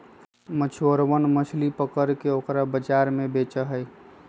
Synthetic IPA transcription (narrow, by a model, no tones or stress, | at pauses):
mət͡ʃʰoɾwənmət͡ʃʰlipəkəɾkeokɾabəd͡ʒaɾmebet͡ʃəɦəj